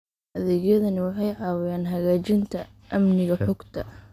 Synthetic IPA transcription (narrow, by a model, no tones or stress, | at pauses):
ʔɐðɛːɣjɐðɐnɪwɑħɑjʕɑːwɪjaːnɦɐɣaːt͡ʃɪnt̪ʰɐ | ʔɐmnɪɣɐħɔɡt̪ʰɐ